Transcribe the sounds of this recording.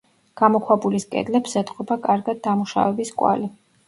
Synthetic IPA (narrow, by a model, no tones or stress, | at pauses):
ɡ̥amɔkʰwabuliskʼɛ̰d̪lɛpsɛt̪ʼqʼɔbakʼaɾɡad̪̚ːamuʃa̰vɛbiskʼwa̰li